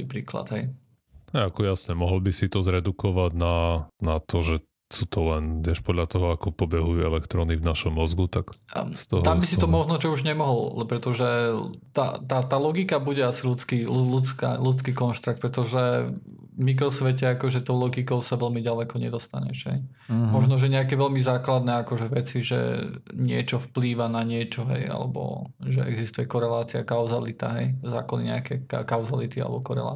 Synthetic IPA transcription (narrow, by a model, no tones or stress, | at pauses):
ipɾiːkla̰d̪ɦɛj | hɛjakɔjasɲɛmɔɦɔlbisit̪ɔzɾɛd̪ukɔʋaɟnanat̪ɔʒɛ | suːt̪ʰɔlɛnt̪ɪɛʃpɔd̪ʎat̪ɔɦɔakɔpɔbɛɦujuɛlɛkt̪ɾɔnivnaʃɔmːɔzɡut̪akst̪ɔɦt̪ambisiɔmɔʒnɔt͡ʃɔuʒɲɛmɔɦɔla̰lɛpɾɛt̪ɔʒɛt̪a̰t̪at̪aːlɔɡikabuɟɛasilut͡skilulut͡ska̰lut͡skiːkɔnʃt̪ɾak̚t̪pɾɛt̪ɔʒɛ | mik̬ɾɔsʋɛcɛakɔʒɛt̪ɔʊlɔɡikɔʊsaʋɛlmiɟalɛkɔɲɛd̪ɔst̪aɲɛ̰ʒɦɛ̰j | mɔʒnɔʒɛɲɛakɛʋɛʎmizaːklad̪nɛakɔʒɛʋɛt͡siʒɛ̰ɲɪɛt͡ʃɔfpliːʋanaɲɪɛt͡ʃɔɦɛ̰ja̰lɛ̰bɔ̰ʒɛʔɛ̰ɡzist̪ujɛkɔɾɛlaːt͡siakaʊzalit̪a̰ɦɛjza̰ːkɔnḭɲɛakɛkakaʊzalit̪ia̰lɛ̰bɔkɔɾɛ̰la̰ː